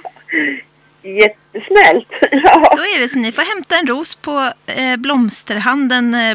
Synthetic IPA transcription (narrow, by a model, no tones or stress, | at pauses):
jɛt̪ːəsnɛlt̪jɑːsɔɛɖɛsɔmnɪfoɾɦɛmt̪aɛnɾuːspʰɔblɔmst̪əɾɦand̪ən